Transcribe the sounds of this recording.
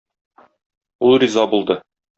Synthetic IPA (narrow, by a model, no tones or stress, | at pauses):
ulˠrʲizɑbulˠd̪ɤ